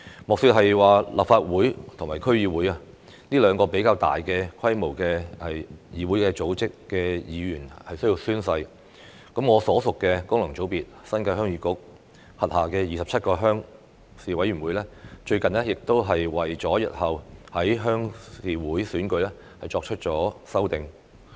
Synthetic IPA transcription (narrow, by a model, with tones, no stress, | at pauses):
mʊ˨k̚syː˧t̚ɦɐ˨jwaː˨la̰ː˨p̚faː˧t̚wuː˨˥jt̪ʰʊ˨˩ŋmaː˨˩jkʰɵ˥ɥjiː˨˧wuː˨˥jɐ˧ | niː˥lœː˨˧ŋkɔː˧pe˨˥jkaː˧wt̪a̰ː˨jkɛː˧kʰɐ˥jmo˨˩wkɛː˧ɐ˨jjiː˨˧wuː˨˥jkɛː˧t͡so˨˥wt͡sɪ˥kːɛː˧jiː˨˧jyː˨˩nhɐ˨jsɵ˥ɥji˧wsyː˥nsɐ˧j | kɐ˨˥mŋɔː˨˧sɔː˨˥sʊ˨kːɛː˧kʊ˥ŋlɐ˨˩ŋt͡so˨˥wpiː˨t̚sɐ˥nkɐ˧ɦœː˥ŋjyː˧kʊ˨˥k̚ | hɐ˨t̚haː˨kɛː˧jiː˨˩sɐ˨p̚t͡sʰɐ˥t̚kɔː˧ɦœː˥ŋ | siː˨wɐ˨˥jɥyː˨˩wuː˨˥jlɛː˥t͡ʃɵ˧ɥkɐ˨nlɛː˥jɪ˨k̚t̪o˥wɦɐ˨jwɐ˨jt͡sɔː˨˥jɐ̰˨t̚hɐ˨whɐ˨˥jɦœː˥ŋsiː˨˧wuː˨˥jsyː˨˥nkɵ˧˥lɛː˥ | hɐ˨jt͡ʃɔː˧k̚t͡ʃʰɵ˥t̚t͡ʃɔː˨˥sɐ˥wt̪ɪ˨ŋ